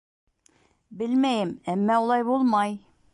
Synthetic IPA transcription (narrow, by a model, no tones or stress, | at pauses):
bɘlmæjɘmæmːæulˠɑjbulˠmɑj